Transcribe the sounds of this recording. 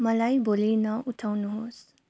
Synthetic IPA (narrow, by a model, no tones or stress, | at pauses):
mʌlajbolinʌʔuʈʰawnuɦos